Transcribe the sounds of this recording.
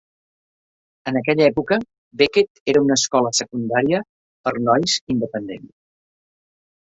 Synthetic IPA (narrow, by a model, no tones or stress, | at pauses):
ənək̬ɛʎəɛpukə | beket̪eɾəunəskɔləsəkund̪aɾiə | pəɾnɔjzind̪əpənd̪ḛns